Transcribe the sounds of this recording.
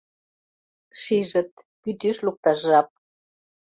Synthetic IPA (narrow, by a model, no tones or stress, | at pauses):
ʃiʒə̆t̪̚ | pyt̪yʃluk̚t̪ɑʒɑp̚